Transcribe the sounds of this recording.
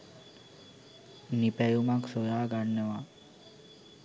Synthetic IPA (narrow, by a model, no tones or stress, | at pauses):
nipɛjumaksojaːɡaɳːəʋa